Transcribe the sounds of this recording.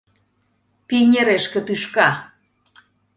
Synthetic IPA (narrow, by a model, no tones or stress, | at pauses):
pieɲeɾeʃkət̪uʃka